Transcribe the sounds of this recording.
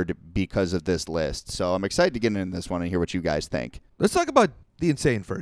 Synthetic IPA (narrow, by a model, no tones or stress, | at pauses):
d̚bɨkʰʌzʌvðɪslɪstsoʊãɪ̃mɨksaɪɾɨdtʰɨɡɛɾɪ̃nɨ̃nðɪswʌ̃nɨ̃nhiɹwʌt͡ʃɨɡa̰ɪz̥θɪ̰̃ŋklʔətstʰɔkəbaʊt̪̚ðiɨ̃nsẽɪ̃nfɜ̰˞